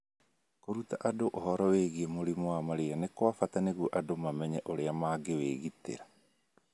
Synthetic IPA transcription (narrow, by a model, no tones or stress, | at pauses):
koɾutaʔadoʔohɔɾɔweɣiɛmoɾimɔwamaɾeanekwafataneɣuoʔadomamɛɲɛʔoɾeamaɡeweːɣitḛɾa